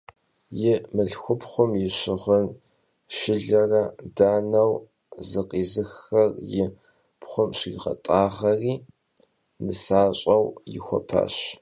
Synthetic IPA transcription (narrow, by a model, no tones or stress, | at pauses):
jɪmɨɮxʷʊpχʷʊmjɪɕɪʁʷʊn | ʃɪɮɐrɐdaːnɐw | zɨqʼiːzɨxɐrjɪ | pχʷʊmɕiːʁɐ̰tʼaːʁɐriː | nɨsaːɕʼɐwjɪ̰xʷɔ̰pʰa̰ːɕ